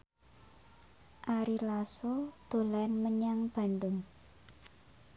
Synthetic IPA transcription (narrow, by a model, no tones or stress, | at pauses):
ʔaɾilasod̪̥o̤lɛnməɲaŋb̥a̤nɖʊŋ